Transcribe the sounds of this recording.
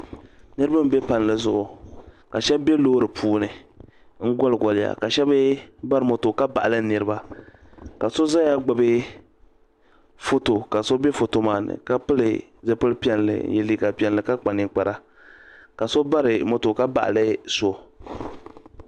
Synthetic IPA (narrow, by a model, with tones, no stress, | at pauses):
nɨ˦ɾɨ˦ba˦m̩˦be˦pa˨n˨lɨ˨zʊ˨ʔʊ˨ka˨ʃɛ˦bbe˦loː˦ɾɨ˨pʰuː˦nɨ˨ | ŋ̩˦ɡɔ˦lɨ˨ɡɔ˨lɪ˦˨ja̰˨ka˨ʃɛ˦bɨ˦ba˦ɾɨ˨mo˨to˨ka˦ba̰˨ʔa˨lɨ˦nɨ˨ɾɨ˦ba˦ | ka˨so˦za˦ja˦ɡ͡ba˨bɨ˦ | fo˦to˨ka˨so˦be˦fo˨to˨maː˨nɨ̰˨ka˦pɨ˦lɨ˨zɛ˨pɨ˦lpi˦ɛ˦nlɨ̰˨˦jɛ˨liː˦ka˨pi˦ɛ˦nlɨ˨ka˦k͡pa˨nɨ˨k͡pa˨ɾa˦ | ka˨so˦ba˦ɾɨ˨mo˨to˨ka˦ba̰˨ʔa̰˨lɨ˦so˦